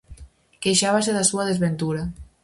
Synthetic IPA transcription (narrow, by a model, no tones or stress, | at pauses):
keʃaβaseðasuaðezβent̪uɾa